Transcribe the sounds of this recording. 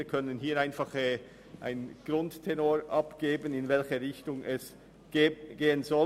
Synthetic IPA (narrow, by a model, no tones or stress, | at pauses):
kʰœnənɦiːɾaɪnfɑχɛː | ʔa̰ɪnɡ̥rʊnttʰɛnoːɹʔɑpɡ̥eːbənɪnvɛlçəʁɪçtʊŋʔɛs | ɡ̥ɡ̥eːənzɔ